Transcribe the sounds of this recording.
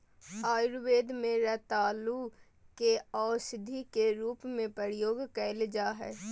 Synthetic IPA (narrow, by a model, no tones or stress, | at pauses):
aːjɾʋeːd̪mẽɾɛt̪aːlu | keaːsɪd̪ʱikeɾuːpmẽpəɾjoːɡkɛɪld͡ʒaɦɛ̰ː